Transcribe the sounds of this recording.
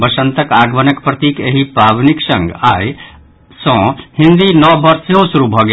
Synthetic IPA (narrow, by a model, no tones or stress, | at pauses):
bɐʃə̃nt̪əkaːɡʋɐnɐkpɾɐt̪iːkeɦipaːbniksɐ̃ŋɡaːj | sɔ̃ːhĩnd̪inɔbɐɾsjõsuɾubʱɔɡe